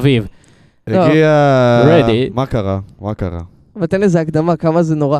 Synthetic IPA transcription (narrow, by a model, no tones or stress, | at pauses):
viv | eloɡiaɹedimakaʁamakaʁa̰ | vet̪enlezeakd̪amakamazenoʁa